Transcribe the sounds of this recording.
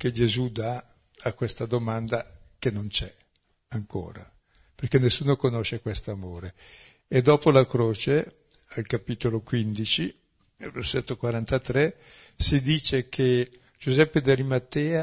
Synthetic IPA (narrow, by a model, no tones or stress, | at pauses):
ked͡ʒezud̪aː | kwest̪ad̪omand̪akenont͡ʃɛ | aŋko̰ːɾa̰ | perkenːesːuːnokonoʃekwest̪oamoːɾeː | d̪ɔːpolakɾoːt͡ʃe | alkapiːt̪olokwind̪it͡ʃi | alvḛrset̪ːokwaɾant̪at̪ɾɛsid̪iːt͡ʃekʰe | d͡ʒuzɛpːed̪alimat̪ːɛːa